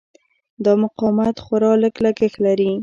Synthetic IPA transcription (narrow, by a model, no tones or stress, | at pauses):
d̪ɑmʊqɑmat̪xaɾɑləklakəxlaɾi